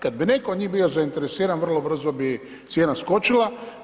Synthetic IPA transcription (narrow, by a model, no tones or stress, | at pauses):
kad̪̚binekood̪ɲiːbio̞zaint̪e̞ɾesiːɾanvr̩lˠo̞br̩zobi | t̪sjeːnasko̞t͡ʃilˠa